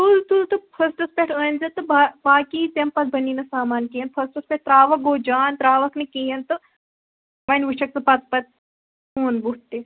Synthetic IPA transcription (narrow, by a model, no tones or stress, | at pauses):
t̪ult̪ult̪ɨpʰɐsʈɐspʲeʈʰəːnzɐt̪ɨbaːbaːkit̪empɐt̪̚bɐniːnɐsaːmaːnkijɐnpʰɐsʈɐspʲeʈ̚t̪ɾaːʋɐk̚ɡoːd͡ʒaːnt̪ɾaːʋɐknikeːjɐnt̪ɨ | mɐnʋuʃɐk̚sɐpɐt̪pɐt̪̚ | koːnbut̪ːe